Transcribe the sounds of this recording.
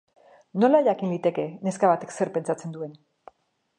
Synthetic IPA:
no̞laʎakinlit̪e̞ke̞ne̞skaβat̪e̞kse̞ɾpe̞nt͡ʃat͡se̞nd̪ue̞n

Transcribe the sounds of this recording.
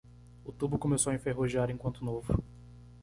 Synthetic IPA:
ut̪ubʊkõmesowɐẽfeɦoʒiaɾẽkwɐ̃nt̪ʊnovʊ

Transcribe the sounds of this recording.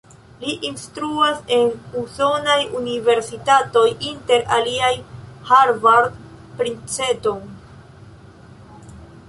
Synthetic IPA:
liʔinstɾuase̞nuso̞najunive̞ɾsitato̞jinte̞ɾaliajhaɾvaɾd̚ | pɾint͡se̞to̞j

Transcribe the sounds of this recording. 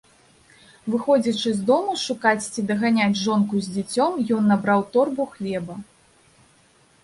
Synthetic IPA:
vɨxɔd͡zʲit͡ʂɨzʲd̪ɔmuʂukat͡sʲt͡sʲid̪ɐɣanʲad͡zʲʐɔnkuzʲd͡zʲit͡sʲɔmjɔnːabɾawt̪ɔrbuxlʲɛbɐ

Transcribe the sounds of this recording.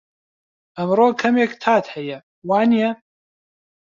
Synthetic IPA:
ʔɐmroːkʰɐmeːkt̪ʰaːt̪hɛjɛ | waːnijɛ

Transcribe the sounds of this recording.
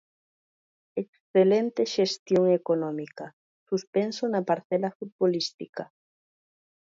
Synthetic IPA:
eksθelent̪eʃest̪joŋekonɔmikɐ | suspensonɐpaɾθɛlafut̪̚βolist̪ika

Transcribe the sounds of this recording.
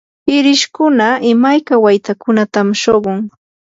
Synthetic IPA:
hɪɾɪʃkʊnaɪmajkawajt̪akʊnat̪amʃoɢoŋ

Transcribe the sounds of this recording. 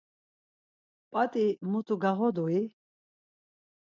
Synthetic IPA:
pʼat̪ʼimut̪ʰʼuɡaʁɔd̪ui

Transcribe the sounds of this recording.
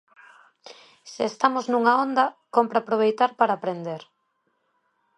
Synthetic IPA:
seːst̪amoznuŋaond̪ɐkompɾaːpɾoβ̞ejt̪aɾpaɾaːpɾend̪eɾ

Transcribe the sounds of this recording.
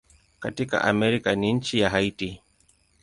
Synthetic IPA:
katika̰ʔa̰mɛɾikaniɲ̩t͡ʃijaɦaiti

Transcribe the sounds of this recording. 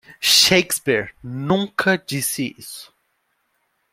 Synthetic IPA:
ʃejkspiɾnũŋkʰɐd͡ʒisiḭsʊ̥

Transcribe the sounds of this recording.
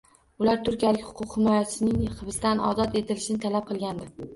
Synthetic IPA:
ʊlaɾt̪ʰʊɾkʲijalɪkʲhʊ̥qʰʊqhɪmɒjasʰɪnɪŋχɨbɪst̪anɒ̰zɒt̪e̞t̪ʰɪlɪʃɪnɪt̪ʰalap̚qʰɨlˠɡʲand̪ɪ

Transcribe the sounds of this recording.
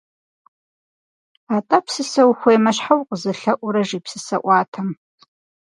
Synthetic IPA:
atʼɐpʰsɨsɐwxʷejmɐɕħawqʼəzɨɬɐʔʷʊɾɐʒiːpʰsɨsɐʔʷɑːtʰɐm

